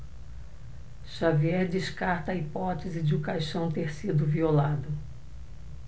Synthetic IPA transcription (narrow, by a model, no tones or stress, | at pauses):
ʃaviɛɾd͡ʒɪʃkaɾt̪ɐːipɔt̪ezɪd͡ʒɪʊkajʃɐ̃w̃t̪eɾsid̪ʊviolad̪ʊ